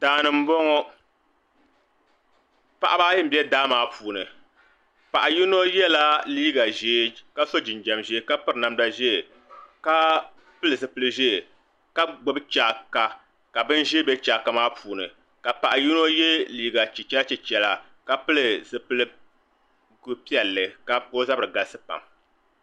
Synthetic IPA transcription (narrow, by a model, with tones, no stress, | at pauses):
taː˨nɨ˨m̩˦bɔ˦ŋɔ˦ | pa˨ʔa˦baː˦jɨ˦m̩˨bi˦ɛ˦daː˦maː˨puː˨nɨ˨ | pa˨ʔa˨ji˦no˦jɛ˦la˦liː˦ɡa˨ʒeː˦ka˦so˦d͡ʒɪ˨n˨d͡ʒɛ˨mʒe˦ka˦pɨ˦ɾɨ˨na˦mda˨ʒɛ˦˨ | ka˦ | pɨ˦lɨ˨zɨ˨pɨ˦lɨ˦ʒɛ˦˨ | ka˦ɡ͡bʊ˦bɨ˦t͡ʃaː˦˨ka˨ | ka˨bɨ˦n˦ʒe˦bɛ˦t͡ʃaː˨ka˨maː˦pʰuː˨nɨ˨ | ka˨pa˨ʔa˨ji˦no˦jɛ˦liː˦ɡa˨t͡ʃɛ˨t͡ʃɛ˦t͡ʃɛ˨t͡ʃɛ˨la˨ | ka˨pɨ˦lɨ˨zɨ˨pɨ˦lɨ˦ | ɡu˦pi˦ɛ˨lːɨ˨ka˨ko˦za˦bɨ˨ɾɨ˨ɡa˨˦sɨ˦pa̰˨m